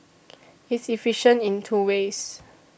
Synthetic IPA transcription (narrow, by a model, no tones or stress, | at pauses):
itsifiʃə̃ntĩntʰuwes